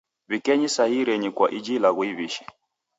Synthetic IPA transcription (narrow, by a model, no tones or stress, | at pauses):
βikɛɲisaiɾɛɲikwaʔid͡ʒilaɣwiβiʃɛ̥